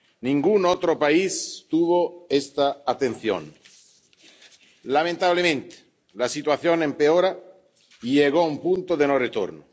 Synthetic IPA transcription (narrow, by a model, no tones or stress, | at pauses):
nĩŋɡunot̪ɾopaist̪uβoest̪aːt̪enθjõ̰n | lamẽnt̪aβlemẽnt̪e̥ | lasit̪waθjonempeoɾa | iʎeɣ̞oumpunt̪oðenoret̪o̰ɾno